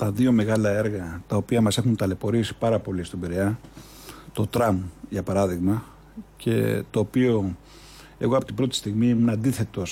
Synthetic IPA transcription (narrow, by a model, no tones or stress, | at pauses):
t̪ɐðio̞me̞ɣɐlɐe̞ɾɣɐt̪ɐo̞piɐmɐse̞xunt̪ɐle̞po̞ɾisi̥pɐɾɐpo̞list̪obiɾeɐ | t̪o̞t̪ɾɐmʝɐpɐɾɐðiɣmɐ | ce̞̰t̪o̞ːpio̞ | e̞ɣo̞ɐpo̞t̪ibɾo̞t̪i̥st̪iɣmimunɐnd̪iθe̞t̪o̞s